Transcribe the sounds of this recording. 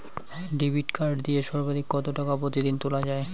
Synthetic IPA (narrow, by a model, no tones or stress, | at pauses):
ɖibiʈkaɾɖd̪ijeʃɔɾbad̪ʱikːɔt̪oʈakapɾot̪id̪int̪ulad͡ʑae